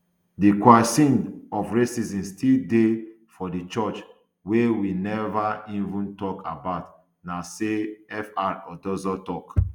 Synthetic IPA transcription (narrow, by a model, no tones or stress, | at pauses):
dikwasĩnɔfɹesizĩnstilde | fɔdit͡ʃɔt͡ʃ | wewinɛvaivũntɔkʰabaʊt | naseɛfaɹɔdɔzɔtɔk